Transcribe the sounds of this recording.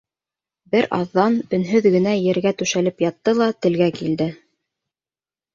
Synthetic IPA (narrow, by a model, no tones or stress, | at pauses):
bɘɾʔɑ̰ðːɑnɵ̆nɦɵðɡɘ̆næjɘ̆ɾɡæt̪ʉʃælɘpjɑt̪ːɤlˠɑt̪ɘ̆lɡækild̪ɘ